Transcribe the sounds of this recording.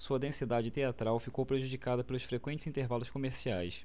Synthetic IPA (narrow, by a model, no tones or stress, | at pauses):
suɐd̪ẽsid̪ad͡ʒɪt̪eat̪ɾawfikowpɾeʒud͡ʒikad̪ɐpelʊʃfɾekwẽt͡ʃɪz̥ĩnt̪eɾvalʊskomeɾsiajs